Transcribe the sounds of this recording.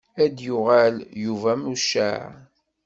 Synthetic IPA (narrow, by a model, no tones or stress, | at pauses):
æd̪juʁæljuvæmuʃæ̰ʕ